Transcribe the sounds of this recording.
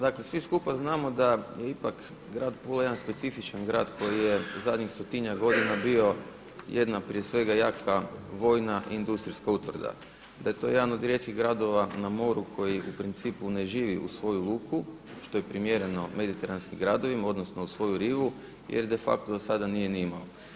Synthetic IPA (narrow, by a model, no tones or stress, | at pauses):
d̪akle̞sʋiskupaznaːmo̞d̪aje̞ipak | ɡɾaːd̪pulˠajed̪anspe̞t̪sifit͡ʃanɡɾa̰ːd̪ko̞jije̞uzad̪ɲixst̪ot̪iɲaɡo̞d̪inabio̞ | je̞d̪napɾie̞sʋe̞ɡajaːkaʋo̞jnaʔiind̪ust̪ɾiskaut̪ʋr̩d̪a̰ | d̪ajet̪o̞je̞d̪ano̞d̪iɾet̪kiɣɡɾad̪o̞ʋanamo̞ɾukʰo̞jiʔupɾint̪siːpune̞ʒiːʋiʔṵsʋo̞julˠuːkʰu | ʃt̪o̞jepɾimje̞ɾe̞no̞me̞d̪it̪eɾanskimɡɾad̪o̞ʋimao̞d̪nosno̞usʋo̞juɾiːʋu | jḛɾd̪e̞fa̰k̚t̪od̪osad̪anije̞nimao